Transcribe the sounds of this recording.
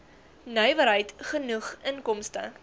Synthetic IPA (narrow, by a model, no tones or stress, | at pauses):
nœɥvəɾɦəjtχənuχənkɔmstə̰